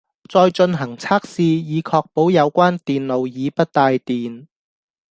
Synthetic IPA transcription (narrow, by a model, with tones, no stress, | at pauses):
t͡sɔː˧jt͡ʃɵ˧nɦɐ˨˩ŋt͡sʰaː˥k̚siː˧jiː˨˧kʰɔː˧k̚po˨˥wjɐ˨˧wkʷaː˥nt̪iː˨nlo˨˧wjiː˨˧pɐ˥t̚t̪aː˧jt̪iː˨n